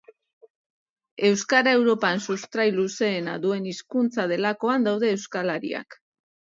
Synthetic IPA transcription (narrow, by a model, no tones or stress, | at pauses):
e̞wskaɾae̞wɾo̞pansust̪ɾajluse̞ːnaðue̞niskunt͡sað̞e̞lako̞and̪awð̞e̞ːwskalaɾḭa̰k